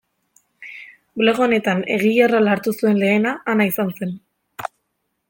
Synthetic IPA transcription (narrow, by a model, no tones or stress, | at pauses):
ble̞ɣ̞o̞ne̞t̪ane̞̰ɣ̞ijaralaɾt̪usue̞nle̞ːnaʔːnaisanse̞n